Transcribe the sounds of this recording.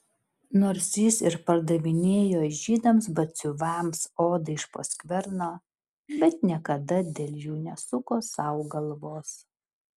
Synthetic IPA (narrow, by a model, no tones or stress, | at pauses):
noːɾsʲjɪsɪɾpɐɾd̪ɐʋʲɪnʲeːjoːʒʲiːd̪ɐms̬bɐt̪sʲʊʋɑmsoːd̪ɐɪʃpo̰sʲkʋʲɛɾnoː | bʲɛt̪nʲiɛkɐd̪ɐd̪ʲeːlʲjuːnʲɛsʊkoːsɑʊɡɐlˠʋoːs